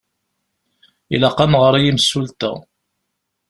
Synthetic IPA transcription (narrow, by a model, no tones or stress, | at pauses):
ḭlɑqːɑmʁəɾˤijimsːult̪ə̰